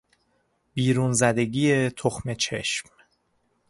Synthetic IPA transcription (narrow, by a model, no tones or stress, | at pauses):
biːɾunzæd̪e̞ɡiːet̪ʰoxme̞t͡ʃʰe̞̰ʃm